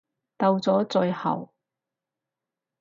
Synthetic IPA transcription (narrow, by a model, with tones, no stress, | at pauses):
t̪ɐ˧wt͡sɔː˨˥t͡sɵ˧ɥhɐ̰˨˩w